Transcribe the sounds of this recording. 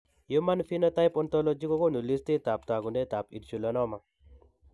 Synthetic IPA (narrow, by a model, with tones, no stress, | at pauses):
jo˦ma˦nfi˦nɔ˦ta˦jpɔ˦ntɔ˦lɔ˦d͡ʒi˦kɔ˦ko˦˨nu˨li˦stɪ˦ta˨p̚ta˨ɡu˨nɛ˦ta˨pḭ˨tt͡ʃu˨lɔ˨nɔ˦ma˨